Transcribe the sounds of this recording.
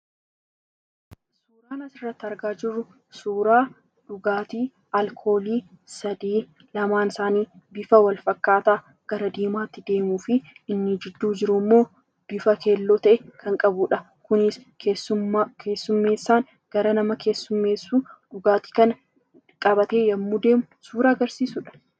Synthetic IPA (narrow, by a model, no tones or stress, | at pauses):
ssuːɾaːnɐsɪrːɐt̪ːɐɾɡaːd͡ʒɪrːʊ | suːɾaː | ᶑʊɡaːt̪iː | ɐlkʰo̞ːliːsɐd̪iː | lɐmaːnɪsaːniːbɪfɐwɐlfɐkːaːt̪aː | ɡ̥ɐɾɐd̪iːmaːt̪ːɪd̪e̞ːmuːfɪɪnːɪd͡ʒɪd̪ːuːd͡ʒɪɾʊmːo̞ː | b̥ɪfɐke̞ːlːoːt̪ɐʔɛkʰɐŋkʼɐbʊᶑɐ | kʊnɪs | eːsʊkʰe̞ːsːʊmːe̞ːsːaːŋ | ɡ̥ɐɾɐnɐmɐkʰe̞ːsːʊmːe̞ːsːuːᶑʊɡaːt̪i̥ːkɐn | kʼɐbɐt̪e̞ːjɐmːuːd̪e̞ːmʊsuːɾaːɐɡɐɾsiːsʊᶑɐ̥